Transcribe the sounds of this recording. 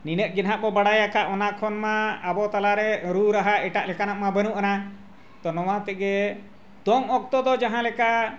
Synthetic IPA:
ninəʔ̪̚ɡinɦaʔbɔbaɽajakaʔɔnakʰɔnmaːbɔt̪alaɾɛɾuɾaɦaɛʈaʔlɛkanaʔmabənuʔana | t̪ɔnɔwat̪ɛʔɡɛ | d̪ɔŋɔk̚t̪ɔd̪ɔd͡ʒaɦãlɛka

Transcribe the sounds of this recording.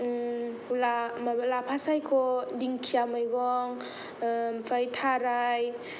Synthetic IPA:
lamalapʰasajkʰɔdiŋkʰijamajɡɔŋ | mpʰajtʰaɾaj

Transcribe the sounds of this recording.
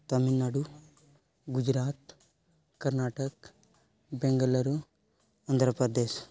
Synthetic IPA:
t̪ɐminːaːɽu | ɡud͡ʒɾaːt̪ | kɐɾnaːʈɐk | beŋɡɐlɐɾu | ɐnd̪ʱɾɐpɾɐd̪eːʃ

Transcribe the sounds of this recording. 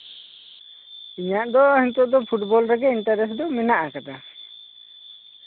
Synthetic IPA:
iɲaʔd̪ɔhint̪ɔʔd̪ɔpʰuʈbɔlɾɛɡɛinʈaɾɛsd̪ɔminaʔakad̪a

